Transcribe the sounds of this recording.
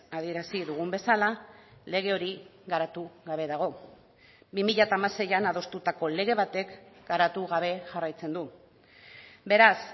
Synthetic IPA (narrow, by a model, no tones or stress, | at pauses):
að̞ie̞ɾasiðuɣ̞umbe̞salale̞ɣ̞e̞o̞ɾiɣaɾat̪uɣaβ̞e̞ðaɣ̞o̞ | bimiʎat̪aːmase̞janað̞o̞st̪ut̪ako̞le̞ɣ̞e̞β̞at̪e̞kɡaɾat̪uɣaβ̞e̞ʝarajt͡se̞nd̪u | be̞ɾas